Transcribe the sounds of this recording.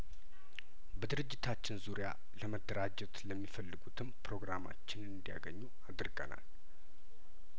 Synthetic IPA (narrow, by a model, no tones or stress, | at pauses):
bəd̪ɨɾɨd͡ʒːɪt̪ʰat͡ʃːɪnzuɾija | ləməd̪ːəɾad͡ʒɛt̪ləmːifəlːɨɡut̪ʰɨmpɾo̞ɡɾama̰t͡ʃːɪnɨnd̪ija̰ɡəɲːu | ad̪ɨɾɡʼə̰na̰l